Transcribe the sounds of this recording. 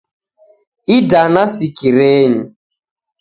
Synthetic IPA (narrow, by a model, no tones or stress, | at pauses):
idanasikiɾeɲi